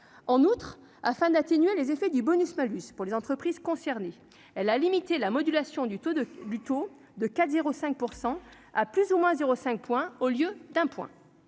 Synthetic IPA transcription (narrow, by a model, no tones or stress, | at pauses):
ɑ̃nut̪χ | afɛ̃d̪at̪enɥelezefɛd̪ybɔnysmalyspuʁlezɑ̃t̪χəpχiz̥kɔ̃sɛʁne | ɛlalimit̪elamɔd̪ylasjɔ̃od̪yt̪o | d̪əkat̪zeʁosɛ̃k̚puʁsɑ̃ | aplyzumwɛ̃zeʁosɛ̃k̚pwɛ̃oljød̪ɛ̃pwɛ̰̃